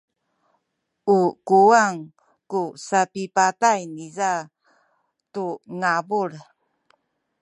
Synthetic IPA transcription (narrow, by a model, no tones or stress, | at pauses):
ukuaŋ | kusapipatajniza | tuŋabuɭ